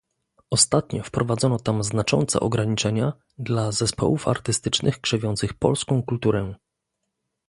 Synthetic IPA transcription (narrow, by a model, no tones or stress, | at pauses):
ɔst̪at̪ɲɔfpɾɔvad̪zɔnɔt̪amznat͡ʂɔ̰nt̪sɛ̰ʔɔɡɾaɲit͡ʂɛɲa | d̪lazɛspʰɔ̰wufa̰ɾt̪ɘst̪ɘt͡ʂnɘxkʂɛvʲjɔnt̪sɘxpɔ̰lskɔ̃w̃kult̪uɾɛ